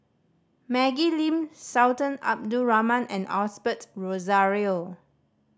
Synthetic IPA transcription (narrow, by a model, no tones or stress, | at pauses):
mɛɡilĩmsawtə̃na̰p̚duɹamãnʔɛ̃nɔsbətɹozaɹio